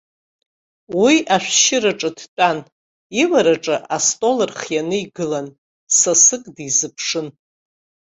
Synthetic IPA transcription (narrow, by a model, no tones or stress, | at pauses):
wiʔaʃᶣʷʃɪɾaʈ͡ʂʼɨdtʼan | iwaɾaʈ͡ʂʼɨʔastʼo̞lɨrχjanɨiɡɨlan | sasɨkʼdizɨpʰʂɨn